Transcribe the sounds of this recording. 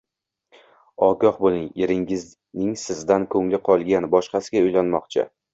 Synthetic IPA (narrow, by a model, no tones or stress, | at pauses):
ɒɡɒhbolˠɪŋeɾɪŋɪz | nɪŋsɪzd̪ankʰɵŋlɪqʰɒlˠɡʲanbɒʃqɑsɪɡʲaʊjlanmɒqt͡ʃʰɪ̰